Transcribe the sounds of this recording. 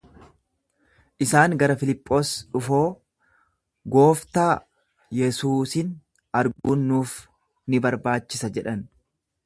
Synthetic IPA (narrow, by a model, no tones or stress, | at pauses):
ʔɪsaːŋɡɐɾɐfɪlɪpʼːo̞ːsᶑʊfoː | ɡo̞ːft̪aː | jɛsuːsɪn | ɐɾɡunːuːf | nɪbɐɾbaːt͡ʃːɪsɐd͡ʒɛᶑɐn